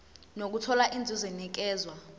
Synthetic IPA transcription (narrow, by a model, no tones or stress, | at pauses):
nok̬utʰɔlaʔind͡zʱizɛnik̬ɛːzwa